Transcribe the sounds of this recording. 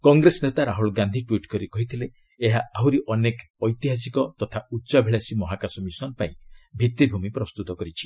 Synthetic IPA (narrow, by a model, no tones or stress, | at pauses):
kɔŋɡɾesɔnet̪aɾaɦuɭɡand̪ʱiʈwiʈkɔɾikɔɦit̪ʰileː | ɦaaɦuɾiʔɔnek | ɔjt̪iɦas̬ikɔt̪ɔt̪ʰautːt͡ʃabʱiɭasimɔɦakasɔmisɔnpaĩbʱit̪ibʱumipɾɔst̪ut̪ɔkɔɾit͡ʃʰi̥